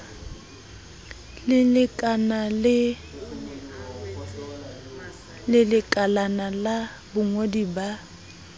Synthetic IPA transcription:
lɪlɪkʼanalɪ | lɪlɪkʼalanala | bʊŋodiba

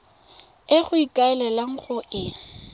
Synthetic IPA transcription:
ɪχʊikʼaɛlɛlaŋ̩χʊʔɪ

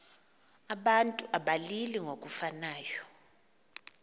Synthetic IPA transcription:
aɓantʼuʔaɓaliliŋok̬ʼufanaːjɔ

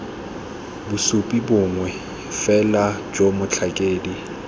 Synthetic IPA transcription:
bʊsʊpʼibʊŋwɛ | fɛlad͡ʒʼomʊt͡ɬʰakʼeːdi

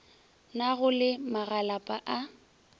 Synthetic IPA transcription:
naɣʊlɪmaɣalapʼaʔa

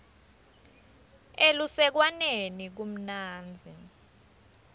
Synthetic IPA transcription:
elusɛk̬wanenik̬um̩naːnd͡zʱi

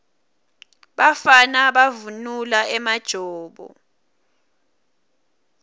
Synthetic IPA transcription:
ɓafanaɓavunulaɛmad̥ʒ̥ʱɔːɓɔ̰

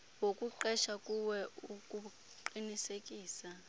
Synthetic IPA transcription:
wokʼuǃɛʃakʼuwɛukʼu | ǃinisekʼiːsa

